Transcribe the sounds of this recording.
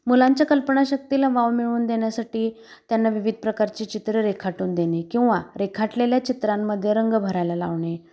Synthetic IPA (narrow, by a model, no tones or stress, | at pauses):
mulãɲt͡ɕjakəlpəɳaɕək̚t̪ilaʋaʋmiɭuːnd̪eɳjasaʈiː | t̪janːaʋiʋid̪̚ʱpɾəkaɾt͡ɕet͡ɕit̪ɾəɾekʰaʈuːnd̪enekĩw̃ʋaɾekʰaʈleljat͡ɕit̪ɾamːəd̪ʱːjeɾəŋɡbʱəɾajlala̰ʋɳe